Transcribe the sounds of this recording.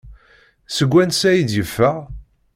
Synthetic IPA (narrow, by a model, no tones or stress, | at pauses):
səɡʷːænsæjid̪jəfːəʁ